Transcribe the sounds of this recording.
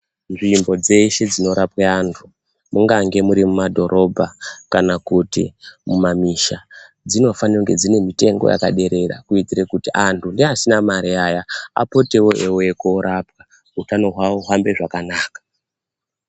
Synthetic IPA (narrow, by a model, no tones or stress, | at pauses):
nʐimbo̞d͡ze̞ʃe̞d͡zino̞ɾapweantʰu | muŋɡaŋɡe̞muɾimumadʱo̞ɾʔo̞bʱakanakutḭmumamiʃa | d͡zino̞fanioŋɡe̞d͡zine̞mite̞ŋɡoja̰ka̰ɗe̞ɾe̞ra̰kuitirekutiʔantʰundeasinamaɾiajaa̰po̞te̞wo̞ʔewoekoɾapwa | utano̞ɦwawoɦambe̞ʐakanaːkḁ